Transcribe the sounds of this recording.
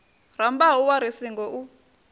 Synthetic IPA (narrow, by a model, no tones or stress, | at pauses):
rambaɦuwaɾisiŋɡɔʔu